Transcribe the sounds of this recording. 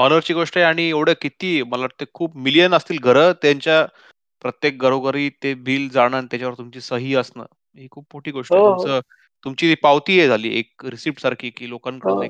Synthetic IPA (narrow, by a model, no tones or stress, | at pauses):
ənəɾt͡ɕiːɡoʂʈəɦeaɽ̃ieʋɽ̤əkit̪iːməlaʋəɾt̪ekʰuːp̚milijənəst̪iːlɡʱəɾəːt̪jaɲt͡ɕja | pɾət̪jek̚ɡəɾoɡəɾiːt̪ebʱiːld͡zaɽ̃ant̪jat͡ɕaʋəɾt̪umt͡ɕiːsəɦiːəsnə̰ː | ɦiːkʰuːbmoʈʰiːɡoʂʈət̪umt͡sə | t̪umt͡ɕiːt̪ipawt̪iːɦed͡zʱalḭːḛk̚ɾisip̚ʈsaɾkʰiːkiːlokankəɾne